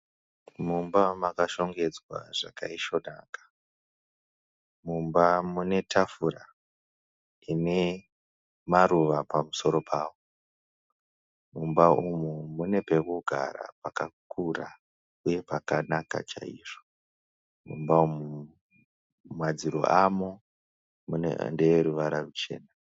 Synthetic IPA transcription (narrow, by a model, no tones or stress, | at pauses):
mumbamakaʃo̞ŋɡe̞d͡zwa̰ʐakaiʃo̞na̰ːkḁ | mumbamune̞tʰafuɾa | ine̞ | maɾuʋapamuso̞ɾo̞pʰaːwo | mumbaumumune̞pe̞kuɡʱa̰ɾa̰pakakʰura | uje̞pakanaka̰t͡ʃa̰ḭːʐo | mumbaumu | mad͡ziɾo̰ʔamo | munḛndeeɾuʋaɾarut͡ʃe̞̰ːna